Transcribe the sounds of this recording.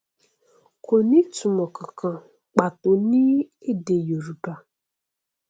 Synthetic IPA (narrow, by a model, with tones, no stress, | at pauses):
kʰo˨nĩ˦tu˨mɔ˨kʰə˨kã˨ | k͡pa˨tʊ˨nĩ˦ | e˦de˨jo˨ɾu˨ba˨